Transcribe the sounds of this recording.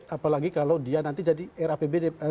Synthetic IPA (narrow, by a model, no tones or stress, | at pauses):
apalaɡikalawdianant̪id͡ʒadiɛɾapebedɛ